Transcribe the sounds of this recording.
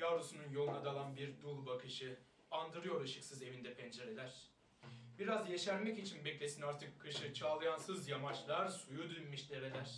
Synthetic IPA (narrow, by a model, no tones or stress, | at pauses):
jaɾusununjo̞lˠunad̪alˠanbiɾd̪ulˠbakʰɯʃɯ | and̪ɯɾɯjo̞ɾɯʃɯksɯze̞vind̪ɛpʰɛnd͡ʒaɾed̪æɾ̥ | biɾazjeʃæɾmɛcit͡ʃʰinbɛclʲe̞sinaɾt̪ʰɯkʰːɯʃɯt͡ʃʰaːlˠajansɯzjamat͡ʃlˠaɾsujud̪ynmiʃlʲeɾed̪ʲæɾ̥